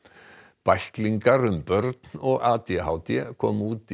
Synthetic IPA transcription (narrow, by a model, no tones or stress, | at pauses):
pajhkliŋkaɾʏmpœɾt̪nɔɣaːt̪jɛɦaːwt̪jɛkʰɔːmuːt̪